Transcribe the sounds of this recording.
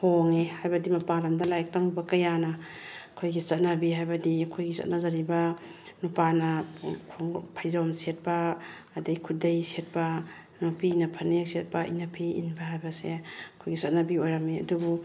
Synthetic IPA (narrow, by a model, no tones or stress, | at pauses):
hoŋehajbɐdimɐpalɐmdɐlajak̚taŋubɐkɐjanɐ | ɐkʰojɡisɐt̚nɐbiɦajbɐdiɐkʰojɡisɐ̰t̚nɐzaɾibɐ | nupanɐkʰoŋpʰajzawmset̚pɐː | dejkʰudejset̚pɐ | nopʰinɐpʰɐnek̚set̚pɐʔḭnapʰiḭnbahajbɐsḛɐkʰojɡisɐt̚nɐbiojɾɐmeɐ̰dubu